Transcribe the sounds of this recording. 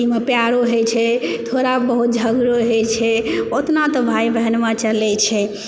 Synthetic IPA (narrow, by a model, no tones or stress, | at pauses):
imepjaɽoɦejt͡ʃʰɛt̪ʰoɾabəɦut̪̚d͡ʒʱəɡɾoɦet͡ʃʰɛot̪nat̪ɔbʱajbəɦɛnmat͡ʃəlɛt͡ʃʰɛ